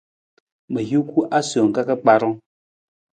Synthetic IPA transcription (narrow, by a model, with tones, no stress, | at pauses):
mə˨ju˦ku˦ʔa˦so˨ŋ̩˨ka˦kə˦k͡pa˦ɾɔ˦ŋ